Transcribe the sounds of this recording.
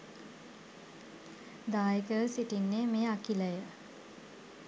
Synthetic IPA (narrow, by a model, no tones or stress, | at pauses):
d̪aːjikəʋəsiʈinːeːmeːakiləjə